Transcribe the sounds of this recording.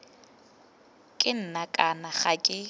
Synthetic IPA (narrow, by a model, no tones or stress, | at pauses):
kʼɪn̩nakʼanaχakʼɪ